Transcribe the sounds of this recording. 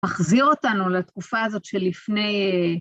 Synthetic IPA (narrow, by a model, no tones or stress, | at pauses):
aχziʁo̞tanulatkufaːzo̞tʃelːifne̞j